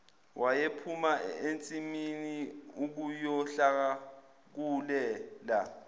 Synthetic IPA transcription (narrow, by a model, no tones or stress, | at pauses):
wʔajepʰumaent͡sʼiminiuk̬ujɔɬak̬a | k̬ulɛːla